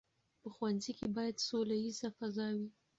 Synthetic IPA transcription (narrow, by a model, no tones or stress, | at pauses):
pəxwanzikebɑjad̪solajizafazɑwi